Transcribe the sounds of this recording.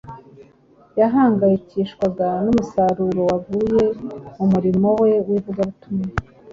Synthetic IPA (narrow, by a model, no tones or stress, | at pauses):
jaɦaːŋɡajiciʃkwaɡanumusaɾuɾo̞waɡuje̞umuɾimo̞we̞wivuɡaβutumɲe